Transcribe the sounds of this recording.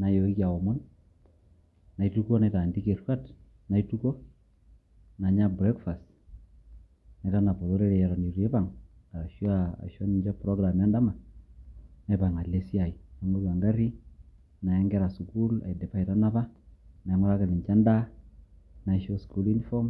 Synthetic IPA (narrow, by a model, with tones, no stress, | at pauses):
na˨jo˨i˦kja˨ɔ˨mʊ˦n | na˨itu˦ko˦na˨ta˨ndi˦ke˨ɾka˦t | na˨i˦tu˦ko˦ | na˨ɲa˦bɾɛ˦kfa˨st | na˨ta˦na˨pɔ˨ðo˦ɾe˦ɾe˨ja˨ɾɔ˨ni˨ɾi˨e˦pa˦˨ŋ | a˨ʃa˨a̰˨ʃɔ˦ni˨ɲd͡ʒa˦pɾɔ˦ɡɾa˨ma˦nda˦ma˨ | ne˦pa˨ŋa˨le˦si˦a˨i˨na˨˦ŋo˦ka˨ŋɡa˦ɾi˦ | na˨jɛ˦ŋɡɛ˦ɾa˨su˨ku˦la̰˨jde˨pa˦i˨ta˦na˦pa˦na˨˦ŋɔ˦ɾa˦kɪ˨lɪ˨ɲt͡ʃa˦nda˦ | na˨˦ʃo˦sku˦li˦n˦fɔ˦m